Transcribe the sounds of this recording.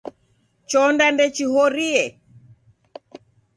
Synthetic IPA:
t͡ʃɔndandɛt͡ʃihɔɾiɛ

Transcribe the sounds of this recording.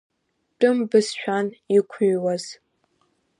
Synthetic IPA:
tʼɨmbɨsʃʷᶣanikʷʰʊɥwaz̥

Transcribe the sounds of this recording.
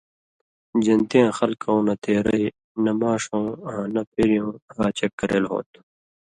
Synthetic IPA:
d͡ʑɐnt̪ijãːxɐlkʰõːnɐt̪ʰeːɾɐi | nɐmaːʂõːɦãːnɐpeːɾijõːɾaːt͡ɕɐkːɐɾḛːlɦo̰ːt̪

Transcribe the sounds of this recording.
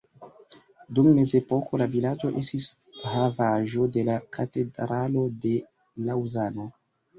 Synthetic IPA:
dumːe̞ze̞po̞ko̞lavilad͡ʒo̞ʔe̞stis | havaʒo̞de̞lakʰate̞dɾalo̞de̞ | lawzano̞

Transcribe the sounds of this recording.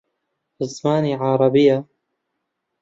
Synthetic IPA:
ɪzmaːniʕɑɾˤɑbɪjːa

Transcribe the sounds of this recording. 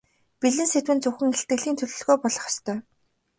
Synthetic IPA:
piɮɘ̆nset̪wɘ̆nt͡sɵxɘ̆ŋeɬt̪̚ɡɘ̆ɮiːnt̪ʰɵɮɵ̆ɮɣoːpɔɮɞ̆χḁst̪ʰœː

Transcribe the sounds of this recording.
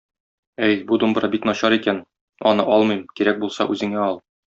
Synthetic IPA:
æjbud̪umbɤ̆ɾɑbit̪nɒɕɑɾikæn | ɒnɤʔɒlˠmɤjmkiɾæk̚bulˠsɑ̰ʔʉzɘ̆ŋæɒlˠ

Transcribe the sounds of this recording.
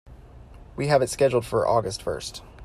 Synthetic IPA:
wiɨvɨtskɛd͡ʒl̩ˠd̥fə˞ʔɔɡɨstfɜ̰˞st

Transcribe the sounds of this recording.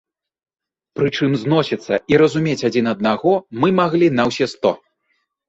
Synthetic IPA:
pɾɨt͡ʂɨmznɔsʲit̪sːɐiɾɐzumʲet͡sʲad͡zʲinɐd̪̚naɣɔmɨmaɣlʲinɐwsʲɛst̪ɔ

